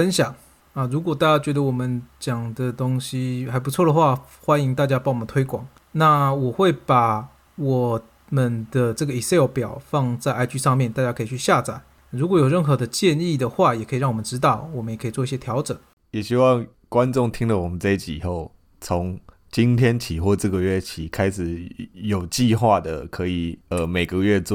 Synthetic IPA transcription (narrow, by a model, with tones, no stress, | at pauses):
fə˥nɕjɑ˨˩˦ŋ | ə˧˩ɻu˧˥kwɔ˨˩t̪a˥˩t͡ɕja˥t͡ɕɥɛ˧˥d̪ə˧wɔ˨˩mə˦nt͡ɕjɑ˨˩ŋd̪ə˦t̪ʊ˥ŋɕi˥xa˧˥ɪp̬u˧˥t͡sʰwɔ˥˩d̪ə˩xwa˥˩ | xwa˥ni˧˥ŋt̪a˥˩t͡ɕja˥pɑ˨˧˥ŋwɔ˨˩mən˦t̪ʰwe˥ɪkwɑ̰˨˩˦ŋ | na˥˩wɔ˨˩xwe˥˩ɪpa˨˩ | wɔ˨˩ | mə˧nd̪ə˧ʈ͡ʂɤ˥˩ɡə˩˨i˨˩se˥˩˥ʊpjɑ˨˩ʊfɑ˥˧ŋt͡sa˥˩ɪʔa˥ɪt͡ɕy˥˧ʂɑ˥˧ŋmjɛ˥˩nt̪a˥˩t͡ɕja˥kʰɤ˧˥i˨˩t͡ɕʰy˥˧ɕja˥˧t͡sa˨˩˦ɪ | ɻu˧˥kwɔ˧˥jo˨˩ʊɻə˥˩nxɤ˧˥d̪ə˧t͡ɕjɛ˥˧ni˥˩d̪ə˩xwa˥˩jɛ˨˩kʰɤ˧˥˨ɻɑ˥˩ŋwɔ˨˩mə˦nʈ͡ʂɻ̩˥t̪̬ɑ˥˩ʊwɔ˨˩mə˦njɛ˨˩kʰɤ˧˥i˨˩t͡swɔ˥˧i˥˩ɕjɛ˥t̪ʰjɑ˧˥ʊʈ͡ʂə˨˩ŋ | jɛ˨˩ɕi˥wɑ˥˨ŋ | kwa˦nʈ͡ʂʊ˥˩ŋt̪ʰi˦˥ŋlə˨wɔ˨˩mə˦nt͡sa˥˧ɪi˥˩t͡ɕʰi˨i˨˩xo˥˩ʊ | t͡sʰo˧˦ŋ | t͡ɕi˦˥nt̪ʰjɛ˥nt͡ɕʰi˨˩xwɔ˥˧ʈ͡ʂə˥˩ɡə˨ɥɛ˥˩t͡ɕʰi˨˩kʰa˥ɪʂɻ̩˨˩jo˨˩ʊt͡ɕi˥˧xwa˥˧d̪ə̰˩kʰɤ˧˥i˨˩ə˩me˨˩ɪɡə˧ɥɛ˥˧t͡s